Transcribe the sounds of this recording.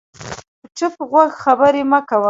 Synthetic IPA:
pəʈ͡ʂəpɣwaɡxabəɾemakawə

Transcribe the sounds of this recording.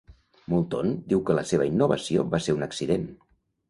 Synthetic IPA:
mulˠt̪ond̪iwkələseβ̞əinːuβə̰sio̰βaseɾunəksiðen

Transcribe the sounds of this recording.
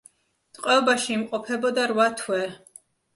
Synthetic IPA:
t̪ʼqʼwɛɔbaʃiːmqʼɔpʰɛbɔd̪aɾwat̪ʰwɛ

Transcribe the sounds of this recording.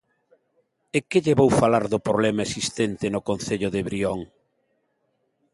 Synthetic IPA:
ekeʎeβowfalaɾðʊpɾoβlɛmaesist̪ent̪ɪnʊkonθeʎʊðeβɾioŋ

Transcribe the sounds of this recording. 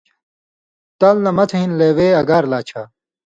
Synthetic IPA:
t̪ɐlnɐmɐt̪ʰɐɦinleːweːɐɡaːɾlaːt͡ɕʰaː

